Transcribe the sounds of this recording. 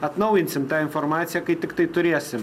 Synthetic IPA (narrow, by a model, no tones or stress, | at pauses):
ɐt̪nɐʊjɪnʲsʲɪmt̪ɑːɪnfoɾmɑːt̪sʲɪjæːkɐɪt̪ʲɪkt̪ɐɪt̪ʊɾʲeɛsʲɪm